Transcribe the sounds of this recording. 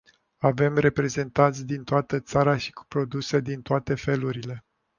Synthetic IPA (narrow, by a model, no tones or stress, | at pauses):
ave̞mre̞pɾe̞ze̞nt̪ant̪sʲd̪int̪oat̪ət̪saɾaʃi̥ku̥pɾo̞d̪use̞d̪int̪oat̪e̞fe̞luɾile̞